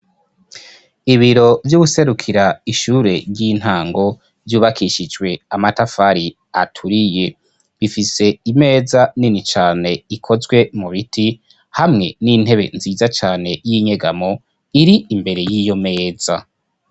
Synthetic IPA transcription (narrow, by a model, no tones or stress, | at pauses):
iβiɾo̞vjuɡuse̞ɾukʰiɾaiʃuːɾe̞ɾɟiːn̥haːŋɡo̞ | vjuːβakʰiʃid͡ʒwe̞amatafaɾi | a̰tʰuɾije̞ | βifise̞ime̞ːzaninit͡ʃaːne̞ikʰo̞zɡwe̞muβitʰi | hamŋe̞̰nin̥he̞βe̞̰nziːzat͡ʃaːne̞jiɲe̞ɡamo | iɾiimbe̞ɾe̞jijo̞me̞ːza